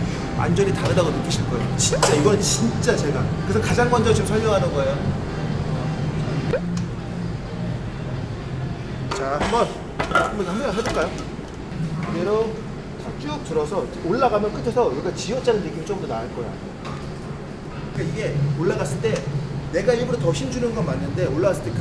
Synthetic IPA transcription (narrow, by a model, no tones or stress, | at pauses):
ʔa̰nd͡ʑʌɾitaɾɯdaɡonɯk͈iɕʰiɭk͈ʌeot͡ɕint͡ɕ͈aiɡʌɯnt͡ɕint͡ɕ͈at͡ɕe̞ɡakɯesʰʌkad͡ʑaŋɡand͡ʑʌt͡ɕɯmsʰʌɭɲʌŋɦanɯnɡʌejo | t͡ɕahambʌn | ambʌnikahɯaɦad͡ʑoɭk͈ajo | ɯɡeɾʌ | at͡ɕ͈uk̚tɯɾʌsʰʌoɭːaɡamjʌnk͈ɯtʰesʰʌuɾiɡat͡ɕiʌt͡ɕ͈anɯnːɯk͈imit͡ɕ͈oɯmdonaaɭk͈ʌja̰ | kik͈aiɡe̞oɭːaɣas͈ɯɭt͈ene̞ɡaibuɾotʌɕʰind͡ʑunɯnɡʌnmanːɯnde̞oɭːaɣas͈ɯɭt͈ek